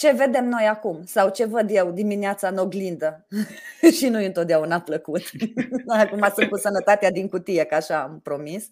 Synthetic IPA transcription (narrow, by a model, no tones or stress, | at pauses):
t͡ʃe̞ve̞d̪e̞mno̞jakumsawt͡ʃe̞vəd̪je̞wd̪imineat̪sano̞ɡlind̪ə | ʃinujɨnt̪ot̪̚d̪eaunapləkut̪akumasɨn̚kusənət̪at̪ead̪iŋkut̪ijekəaʃaːmpɾo̞mis